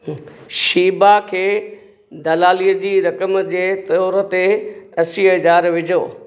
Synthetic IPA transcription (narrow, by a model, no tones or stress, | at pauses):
ʃiːbakʰeː | d̪ɐlaːliːəd͡ʑiːɾɐkəmd͡ʑeːt̪ɔːɾət̪eɐsiɦɐd͡ʑaːɾʋɪd͡ʑʱoː